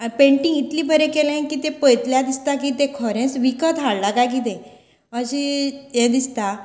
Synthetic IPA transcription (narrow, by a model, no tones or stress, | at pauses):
apẽɳʈĩŋɡit̪liːbʱəɾekelẽkit̪epəjt̪ljad̪ist̪akit̪ekʰɔɾẽsʋikət̪aɽlakak̬it̪ẽ | əɕijẽd̪ist̪a